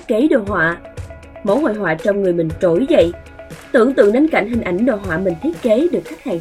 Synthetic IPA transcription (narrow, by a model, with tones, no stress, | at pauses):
ke˨˦ɗo̰˧˨ɦwa̰ː˧˨ | mo̰˧˥˦ho̰˧˨jɦwa̰ː˧˨t͡ɕɔ˧wŋ͡mŋɨ˨˩əjmï˨˩ŋ̟t͡ɕo˧˩jzə̰˧˨j | t̪ɨ̰˧˨əŋt̪ɨ̰˧˨əŋɗe˨˦nka̰˧˩jŋ̟ɦï˨˩ŋ̟ʔa˨˩˦jŋ̟ɗo̰˧˨ɦwa̰ː˧˨mï˨˩ŋ̟t̪ʰi˦˥t̚ke˨˦ɗɨ˨˩ək̚xa˦˥k̚haː˨˩